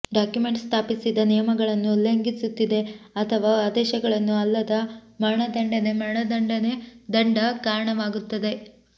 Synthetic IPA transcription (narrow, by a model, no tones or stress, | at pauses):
ɖaːkjume̞ɳʈst̪ʰaːpisid̪ɐnijɐmɐɡɐɭɐnːuleŋɡisut̪ːid̪e̞ɐt̪ʰɐʋaːaːd̪ɛːʃɐɡɐɭɐnːuɐlːɐd̪ɐmɐɳɐd̪ɐɳɖɐne̞mɐɳɐd̪ɐɳɖɐned̪ɐɳɖɐkaːɾɐɳɐʋaːɡut̪ːɐd̪e̞